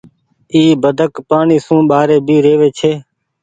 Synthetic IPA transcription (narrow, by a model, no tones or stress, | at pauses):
iːbəd̪ʱəkpaːɳiːsũːɓaːɾeːbʱiːɾeːʋeːt͡ʃʰeː